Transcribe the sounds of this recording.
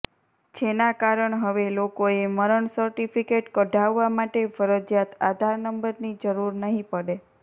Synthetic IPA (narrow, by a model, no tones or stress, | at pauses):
d͡ʒenakaɾəɳɦəʋelokoeməɾəɳsəɾʈifikeʈkəɖʱaʋːamaʈefəɾəd͡ʒjat̪ad̪ʱaɾnəmbəɾnid͡ʒəɾuɾnəɦĩpəɽe